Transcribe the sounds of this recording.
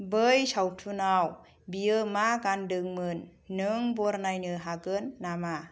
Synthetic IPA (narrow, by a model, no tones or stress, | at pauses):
bɯjsawtʰunaw | biɯmaɡandɯŋmɯnː | ɯŋbɔɾnajnɯɦaɡɯnːama